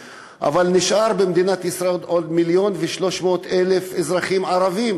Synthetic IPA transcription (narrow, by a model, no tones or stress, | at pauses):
ʔa̰valniʃʔaɾbemd̪inat̪isɾaedʔod̪miljo̞nveʃlo̞ʃmo̞ːt̪elefezʁaχimʕaɾavim